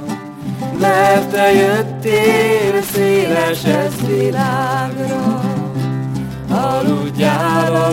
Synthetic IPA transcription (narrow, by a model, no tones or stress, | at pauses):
mɛrt̪ɛjøt̪ːeːlseːlɛʃɛzvilaːɡɾɔ | ɒluɟːaːlɔ